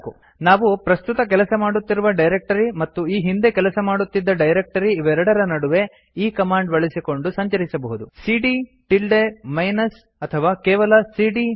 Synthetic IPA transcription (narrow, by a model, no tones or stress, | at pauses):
ku | naːʋupɾɐst̪ut̪ɐk̬ɛlɐsɐmaːɽut̪ːiɾuʋɐɖɐjɾek̚ʈɐɾimɐt̪ːuiːɦind̪e̞kɛlɐsɐmaːɽut̪ːid̪ːɐɖɐjɾek̚ʈɐɾiːʋɐɛɾɐɽɐɾɐnɐɽuʋe̞ | iːkɐmaːɳɖbɐɭisiko̞ɳɖusɐɲt͡ʃɐɾisɐbɐɦud̪usiːɖiʈilɖemɐjnɐs | ɐt̪ʰɐʋaːkɛːʋɐlɐsiːɖi